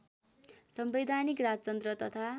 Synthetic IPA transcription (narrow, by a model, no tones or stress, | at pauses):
sʌmbed̪ʱanikrad͡zʌt͡sʌnd̪ɾʌt̪ʌt̪ʰa